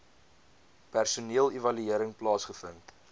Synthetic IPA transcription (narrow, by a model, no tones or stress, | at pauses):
pærsuniəlˠivɐlyiəɾəŋplɑːsχəfənt